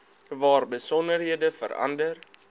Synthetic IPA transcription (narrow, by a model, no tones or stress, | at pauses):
vɑːrbəsɔnərɦiədəfə̰ɾɐ̰ndər